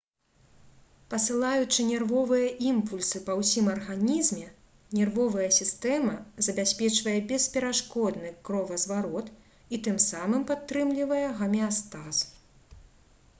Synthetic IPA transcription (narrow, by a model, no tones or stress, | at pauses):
pɐsɨlˠajut͡ʂɨnʲɛrvɔvɨjɐʔimpulʲsɨpɐwsʲimɐrɣanʲizmʲɛ | nʲɛrvɔvɐjɐsʲist̪ɛmɐzɐbʲasʲpʲɛt͡ʂvɐjɛbʲɛspʲɛɾaʂkɔd̪nɨkɾɔvɐzvaɾɔt̪ | it̪ɨmsamɨmpat̪ːɾɨmlʲivɐjɛɣɐmʲɛast̪as